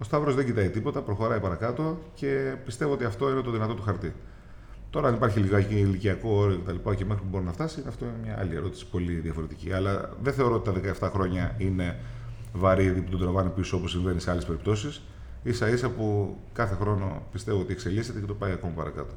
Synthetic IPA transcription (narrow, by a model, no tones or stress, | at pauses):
o̞st̪ɐvɾozðeɲɟit̪ɐit̪ipo̞t̪ɐpɾo̞xo̞ɾɐipɐɾɐkɐt̪o̞ce̞pist̪e̞voo̞t̪iɐft̪o̞inet̪o̞ðinɐt̪o̞t̪uxɐɾt̪i | t̪o̞ɾɐɐnipɐɾçiliɣɐciiliciɐko̞oɾjocet̪ɐlipɐceme̞xɾipubo̞ɾinɐft̪ɐsiineɐft̪o̞inemɲɐɐ̰lieɾo̞t̪i̥si̥po̞liðjɐfo̞ɾet̪icḭɐ̰lɐðeθe̞oɾo̞ot̪it̪ðe̞kɐeft̪ɐxɾo̞ɲɐine̞ | vɐɾiðiput̪od̪ɾɐvɐnipisoo̞posːiɱve̞niseɐlespe̞ɾipt̪o̞sis | isɐisɐpu | kɐθe̞xɾo̞no̞pist̪e̞voot̪iekse̞lise̞t̪e̞cet̪o̞pɐiɐko̞mɐpɐ̰ɾɐ̰kɐ̰t̪o̞̥